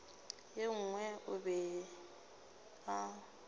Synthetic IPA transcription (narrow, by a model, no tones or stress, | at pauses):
jeŋ̩ŋwɛʔʊbɛ | a